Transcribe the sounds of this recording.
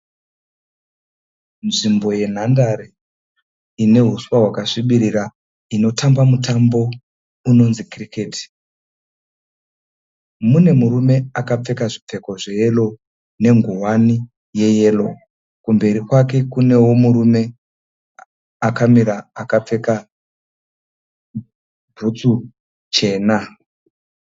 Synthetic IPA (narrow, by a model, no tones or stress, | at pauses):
nʐimbo̞je̞n̤andaɾe | ine̞ɦuswaɦwakaʂiɓiɾiɾa | ino̞tambamutambo̞ | uno̞nzikrikeːti̥ | mune̞muɾume̞akap͡fe̞kaʐip͡fe̞ko̞ʐe̞je̞lo̞ | ne̞ŋɡuwani | je̞je̞ːlo̞ | kumbe̞ɾikwake̞kune̞wo̞muɾume̞ | akamiɾaːkap͡fe̞ka | bʱut͡su | t͡ʃe̞ːna